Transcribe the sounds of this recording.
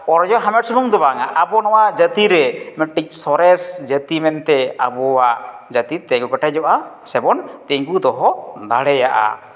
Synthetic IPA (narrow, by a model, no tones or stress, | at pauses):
ɔɾɔd͡ʒɔɦamɛʈ̚simuŋd̪ɔbaŋaʔabɔnɔwad͡ʒət̪iɾɛmɛʈik̚sɔɾɛsd͡ʒət̪imɛnt̪ɛabɔwaʔd͡ʒət̪it̪ɛɡɔkaʈad͡ʒɔʔasɛbɔnt̪ɛŋɡud̪ɔɦɔd̪aɽɛjaʔa̰